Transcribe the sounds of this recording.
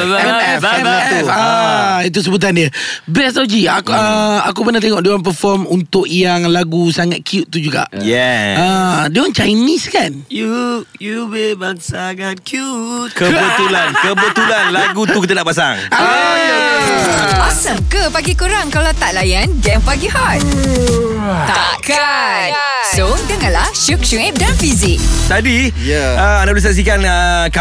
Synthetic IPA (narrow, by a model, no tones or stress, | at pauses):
ɛɛssait̪̬us̬əbut̪̬andiəbɾɛst̪awd͡ʒiaəakupənat̪eŋɔʔdewanp̬əfɔmunt̪ʊʔjaŋlaɡusaŋat̪̚kijut̪̚t̪ːud͡ʒuɡa̰ʔjɛədewant͡ʃajniskanjujubebaŋsaɡankjut̪̚kəbət̪ulankəbət̪ulanlaɡut̪ukit̪ənaʔpas̬aŋ | masəmkəpaɡikuɾaŋkalawt̪aʔlajandɛ̃mpaɡihɔt̚ | t̪aka | sodəŋãnlaʃuk̚ʃuŋɛp̚danfizɪk̚t̪adi | əanabdis̬aks̬ikanəka